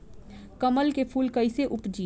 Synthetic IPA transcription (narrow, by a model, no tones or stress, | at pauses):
kɐməlkepʰuːlkɐɪseʔʊpd͡ʒiː